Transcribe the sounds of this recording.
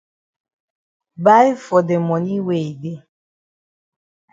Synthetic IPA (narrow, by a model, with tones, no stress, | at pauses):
ba˦i˦fɔ˨de˨mɔ˨ni˦we˨i˨de˦